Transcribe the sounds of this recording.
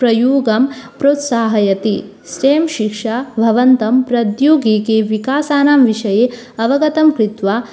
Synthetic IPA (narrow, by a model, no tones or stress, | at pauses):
pɾɐjuːɡɐmpɾoːt̪saːɦɐjɐt̪i | sɾeːmʃikʂabʱɐʋɐnt̪ɐmpɾɐd̪juːɡeːkeʋikaːsaːnaːmʋiʂɐjeː | ɐʋɐɡɐt̪ɐmkɾit̪ʋaː